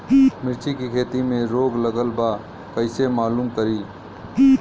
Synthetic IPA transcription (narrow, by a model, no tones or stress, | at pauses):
mɪɾt͡ʃikikʰeːt̪imẽɾoːɡləɡəlba | kəɪsemaːluːmkəɾiː